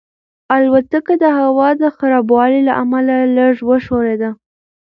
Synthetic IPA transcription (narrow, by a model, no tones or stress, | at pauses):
alwat̪əkad̪əɦawɑd̪əxaɾɑbwɑlela̰ʔamalaləʐwəʃoɾed̪a